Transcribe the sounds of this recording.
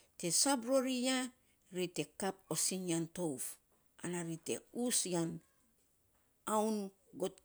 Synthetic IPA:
te̞sabɾoɾija | ɾite̞kap̚osinianto̞wf | a̰naɾite̞̰usjan | awn | ɡot̚

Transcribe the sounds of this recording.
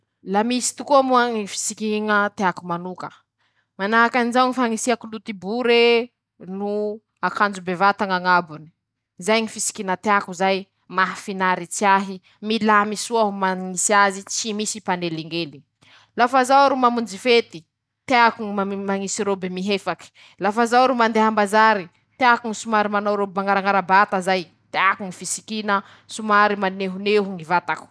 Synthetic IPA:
lamisi̥t̪ukuamuaŋifi̥sikiŋət̪eakumanukə | manaɦakanizawŋifaŋisiakulut̪ibuɾe | nu | akand͡ʒubevat̪aŋaŋabuni̥ | zajŋifisi̥kiŋət̪eakuzaj | maɦafinaɾit͡siaɦi | milamisuaɦumaŋisiazit͡simisipaneleŋɡeli | lafazawɾumamund͡zifet̪i | t̪eakuŋiamaŋisiɾobemiɦefaki̥ | lafazawɾumand̪eɦambazaɾi | t̪eakuŋisumaɾimanawɾobmaŋaɾaŋaɾabat̪azaj | t̪eakuŋifisi̥kinə | sumaɾimaneɦuneɦuŋivat̪aku̥

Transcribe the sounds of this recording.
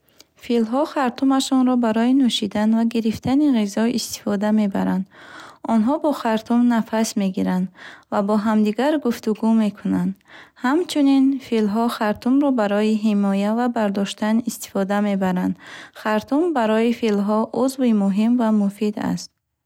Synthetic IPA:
filɦɔχaɾt̪ʰumaʃɔnɾɔbaɾɔinuʃid̪anvaɡiɾift̪ʰaniʁizɔist̪i̥fɔd̪ame̞ba̰ɾand̪ɔnɦɔbɔχaɾt̪ʰumnafasme̞ɡiɾand̪vabɔɦamd̪iɡaɾɡuft̪uɡume̞kʰunand̪hamt͡ʃʰuninfilɦɔχaɾt̪ʰumɾɔbaɾɔjiɦimɔjavabaɾd̪ɔʃt̪anist̪i̥fɔd̪ame̞baɾand̪χaɾt̪ʰumbaɾɔifilɦɔʔuzvimuɦimvamufid̪a̰st̪̚

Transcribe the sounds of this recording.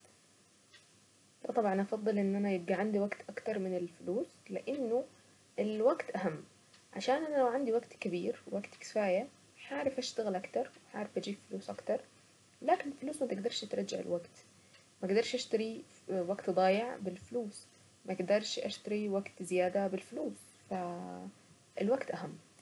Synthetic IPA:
lɑt̪ˤɑbʕɑnʔɑfɑd̪ˤːɨlʔɪnːʔanajɪb̚ɡaʕand̪iwaɡt̪ʔakt̪ɑɾˤmɪnɪlfʊluːslɪʔɪnːʊ | ʔɪlwaɡt̪ʔaɦamː | ʕa̰ʃaːnʔanalawʕand̪iwaɡt̪kabiːɾwaɡt̪kɪ̥faːja | ħaːɾˤɪfʔaʃt̪aɣɪlʔakt̪ɑɾˤwɪħaːɾˤɪfʔad͡ʒiːbfʊluːsʔakt̪ɑɾˤ | laːkɪnɪlfɪluːsmat̪ɪɡd̪ɑɾˤʃʔat̪ɾˤɑd͡ʒːa̰ʕɪ̰lwaɡt̪ | maɡd̪ɑɾˤʃʔaʃt̪aɾi | waɡt̪d̪ˤɑːjɪʕbɪlfʊluːs | mʔaɡd̪ɑɾˤʃʔa̰ʃt̪aɾiwaɡt̪zɪjaːd̪abɪlfʊluːs | fa | ɪ̰lwaɡt̪ʔaɦamː

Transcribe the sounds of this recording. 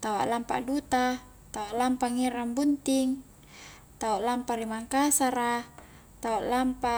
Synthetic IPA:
t̪awa̰ʔlampa̰ʔdut̪a | t̪awaʔlampaŋiɾambunt̪iŋ | t̪awaʔlampaɾimaŋkasaɾa | t̪aoʔlampa

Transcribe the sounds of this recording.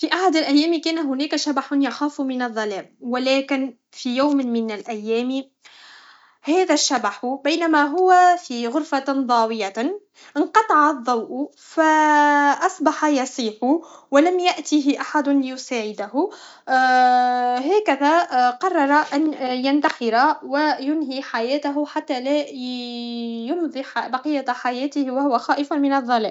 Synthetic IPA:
fiʔaħad̪alʔæjːæːmkæːnaɦʊnæːkaʃabaħʊnjɑxaːfmɪnɑðˤːɑlæːmwɪlæːkɪn | fijawmmɪnalʔæjːæːmi | hæːðæʃːabaħʊbajnamaɦʊwafiɣʊɾfad̪ˤɑːwɪja | ʔɪnqɑt̪ˤɑʕɑðˤːɑwʔʊ | faʔɑsˤbɑħɑjɑsˤiːħʊwalamjaʔt̪iɦɪʔaħad̪ʊlɪjʊsaːʕɪd̪aɦʊ | ɦæːkæðæqɑrˤːɑɾˤɑʔanjant̪ɑxɪɾawajʊnɦiħajæːt̪aɦʊħat̪ːælæ | jʊnðˤibɑqijːaħajæːt̪ɪhwahʊwaxɑːʔɪfmɪnɑðˤːɑlɛ̰ːʔʔ

